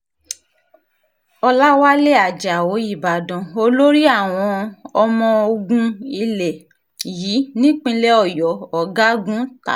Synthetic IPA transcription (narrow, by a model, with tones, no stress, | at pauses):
ɔ˧la˦wa˦le˦a˨d͡ʒa˨wo˨˦i˦˨ba˨dɔ̃˨o˧lo˦ɾi˦a˦˨w̃ɔ̃˧ɔ˧mɔ̃˧o˧ɡũ˧i˧le˨ | ji˨˦nĩ˦k͡pĩ˦lɛ˦ɔ˦˨jɔ˨˦ɔ˨ɡa˦ɡũ˦ta̰˦˨